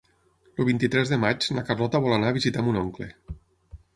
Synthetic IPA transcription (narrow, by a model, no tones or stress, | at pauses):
luβ̞int̪it̪ɾɛzðemat͡ʃnakarlɔt̪aβɔlanaːβizit̪amunɔŋkle